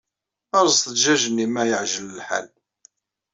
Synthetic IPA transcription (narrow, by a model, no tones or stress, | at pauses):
əɾˤztθʒæʒənːimæjəʕʒələlħa̰l